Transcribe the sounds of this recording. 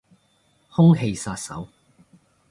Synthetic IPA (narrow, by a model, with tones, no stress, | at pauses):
hʊ˥ŋɦe˧jsaː˧t̚sɐ̰˨˥w